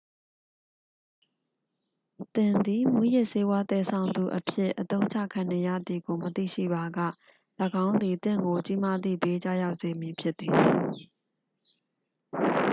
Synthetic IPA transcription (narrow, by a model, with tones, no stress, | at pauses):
t̪ɪ̃˨nd̪i˨mwũ˦jɪ˦ʔse˦wa˦t̪ɛ˨sʰã˨ʊ̃nd̪ṵ˨ʔəpʰjɪ˦ʔːət̪õ˦ʊ̃ɲt͡ɕʰa̰˦˨kʰã˨ne˨jä̰˦˨d̪ði˨ɡo˨mət̪ḭ˦˨ʃḭ˦˨ba˨ɡa̰˦˨ | lə˨ɡã˦ʊ̃nd̪i˨t̪ɪ̰̃˦˨ŋɡo˨t͡ɕi˦ma˦d̪ðḭ˦˨be˦t͡ɕa̰˦˨ja˦ʊʔse˨mji˨pʰjɪ˦t̪t̪ːi˨